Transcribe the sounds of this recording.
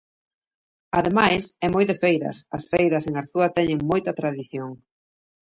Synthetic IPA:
ɐðemajsɛmojðefejɾɐ̰sɐ̰sfejɾɐseŋaɾθuɐt̪ɛɲeŋmojt̪ɐt̪ɾaðiθjoŋ

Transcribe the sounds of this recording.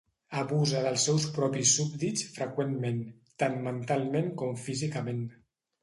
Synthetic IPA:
əβuzəðəlˠsːɛwspɾɔpisːub̚d̪it͡sfɾəkwenmen | t̪anmənt̪alˠmeŋkɔmfizikəmen

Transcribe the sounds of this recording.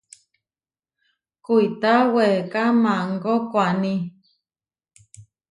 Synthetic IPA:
kuit̪awekamãŋɡokʷanĩ

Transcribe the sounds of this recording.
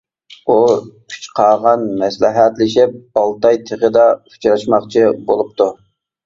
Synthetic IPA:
ukʲʰy̥t͡ʃqʰɑːʁɑnmɛslɪɦæt̪lɪʃɪp̚bɑlˠt̪ɑjt̪ʰeʁəd̪ɑu̥t͡ʃʰɾɑʃmɑχt͡ʃʰibolˠup̚t̪ʰu

